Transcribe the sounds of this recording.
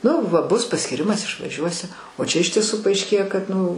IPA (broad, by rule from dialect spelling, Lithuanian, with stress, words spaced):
nʊ ˈʋɐ ˈbʊs pɐsʲkʲiːˈrʲɪmɐs ɪʃʋɐˈʒʲuɔsʲɪ oː t͡ʃʲɛ ɪʃ tʲiɛˈsuː pɐɐɪʃʲˈkʲeːjɛ kɐt nʊ